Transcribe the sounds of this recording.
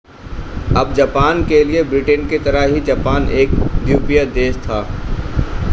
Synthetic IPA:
ɐbd͡ʒɐpaːnkeliebɾɪʈenket̪ɐɾəɦɦid͡ʒɐpaːnʔeːk̚d̪juːpijad̪eːʃt̪ʰaː

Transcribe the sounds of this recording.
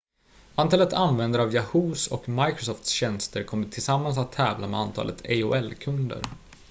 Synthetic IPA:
ʔant̪ʰɑːlət̪ʰanvɛnd̪əɾavjahuːsɔ̰kmajkɾʊsɔft̪sɕɛnst̪əɾkʰɔmːəʈʰɪlsamːans̬at̪ʰːɛːvlamɛ̰ant̪ʰɑ̰ːlʔə̰t̪ʰeʊɛlkʰɵnd̪ə̰ɾ

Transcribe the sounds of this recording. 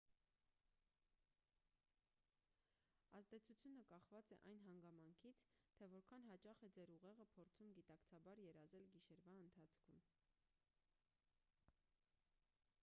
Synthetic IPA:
ɑzd̪ɛt͡sʰut͡sʰjunəkɑχvɑt͡sɛ̰ʔɑjn̪ɦɑŋɡɑmɑŋkʰit͡sʰt̪ʰɛvɔɾkʰɑnɦɑt͡ʃɑχɛd͡zɛɾuʁɛʁəpʰɔɾt͡sʰumɡit̪ɑkt͡sʰɑbɑɾjɛɾɑzɛlɡiʃɛɾvɑənt̪ʰɑt͡sʰkʰum

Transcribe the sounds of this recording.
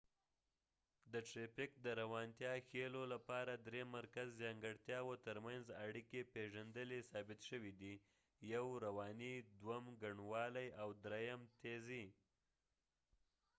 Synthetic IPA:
d̪əʈɾepɪkd̪əɾawɑnt̪jɑxelolapɑɾad̪ɾemaɾkazːjɑŋɡəɽt̪jɑwot̪əɾmanzaɽikepeʒand̪əlesɑbɪt̪ʃəwid̪i | jawɾawɑnid̪wamɡaɳwɑlajawd̪ɾejamt̪ezi

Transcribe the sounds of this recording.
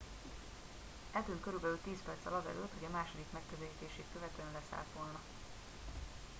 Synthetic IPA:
ɛlt̪yːŋkøɾybɛlylt̪iːspɛrt̪sɛlɒzɛ̰løːt̪ho̞ɟɒmaːʃo̞d̪ikmɛkːøzɛliːt̪eːʃeːt̪̚køvɛt̪øɛnlɛsa̰ːlt̪ʋo̞lnɒ

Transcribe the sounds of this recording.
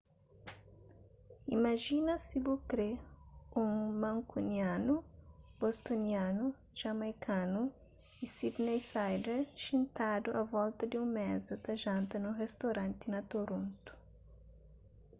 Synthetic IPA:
imaʒinɐsibukɾeũŋmɐ̃ŋkuniãnubost̪onianu | ʒ̥amajkʰanu | isid̪nejsajd̪eɾʃĩnt̪ad̪ʊʔavɔlt̪ɐd̪ɪũmɛzɐd̪ɐʒɐ̃nt̪ɐnuʁest̪oɾɐ̃nt̪ɪnɐt̪oɾõnt̪u̥

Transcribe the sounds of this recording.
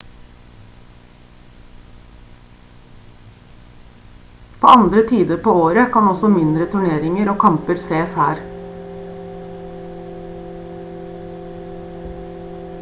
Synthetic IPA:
pʰo̰ːɑnd̪ɾət̪ʰiːd̪əɾpʰoːoːɾəkʰɑnɔsɔmɪnd̪ɾət̪ʰʉɳeːɾɪŋəɾoːkʰɑmpəɾseːshæːɾ

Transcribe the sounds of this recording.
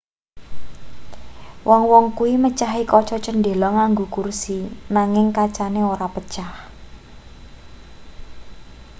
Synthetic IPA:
wʔɔŋwɔŋkuwimət͡ʃaɦikɔt͡ʃɔt͡ʃənde̤lɔŋaŋɡokursinaŋɪŋkat͡ʃaneoɾapət͡ʃah

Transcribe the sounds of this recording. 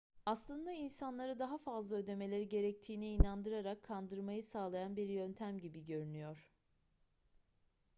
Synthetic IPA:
aslˠɯnd̪ainsanlˠaɾɯd̪aɦafazlˠaø̞d̪e̞me̞lʲeɾiɟe̞ɾɛc̚t̪ʰiːniinand̪ɯɾaɾakʰːand̪ɯɾmajɯsaːlˠajanbiɾjønt̪ʰæmɟibiɟø̞ɾynyjoɾ̥

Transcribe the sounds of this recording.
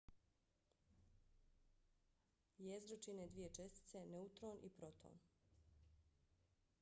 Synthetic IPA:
jezɾot͡ʃined̪ʋije̞t͡ʃe̞st̪i̥t̪se̞neut̪ɾoːnʔḭpɾot̪ʰo̰ːn

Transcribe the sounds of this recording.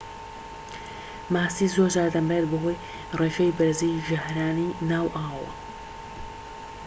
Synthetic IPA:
maːsiːzoɾd͡ʒaːɾd̪ɐmbaet̪bɐɦo̞j | reːʃɐjbɨɾziʒahɾaːninaːwʔaːwɐ̰

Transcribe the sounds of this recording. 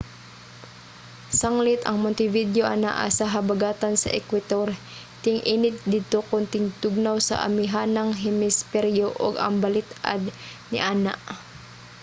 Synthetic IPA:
saŋlɪt̪ɐ̰ŋmʊnt̪ɪvid̪joʔɐna̰ʔa̰saɦɐbaɡaːt̪ansɐ̰ʔɛkwɪt̪oɾ | t̪ɪŋʔiːnɪt̪̚d̪ɪd̪̚t̪okʊnt̪ɪŋt̪ʊɡ̚nawsɐ̰ʔɐ̰mɪɦanaŋɦɪmɪspɛɾjoʔo̰ɡɐ̰ŋbɐlɪt̪a̰d̪nɪ̰ʔaːna̰ʔ

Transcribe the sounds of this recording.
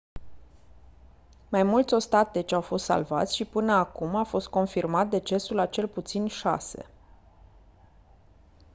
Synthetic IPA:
majmult̪sʲo̞st̪at̪e̞t͡ʃawfo̞st̪sa̰lva̰t̪sʲʃipɨnəakumafo̞st̪̚ko̞nfirmat̪̚d̪e̞t͡ʃe̞sulat͡ʃe̞lput̪sinʃa̰se̞̰

